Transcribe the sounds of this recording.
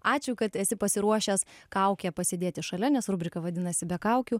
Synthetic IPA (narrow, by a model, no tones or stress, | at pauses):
ɑːt͡ʃʲʊkɐt̪ɛsʲɪpɐsʲɪɾuɔʃʲeːskɐʊkʲɛːpɐsʲeːdʲeːt̪ʲɪʃɐlʲɛnʲɛsɾʊbʲɾʲɪkɐʋɐd̪ʲɪnɐsʲɪbʲɛkɐʊkʲuː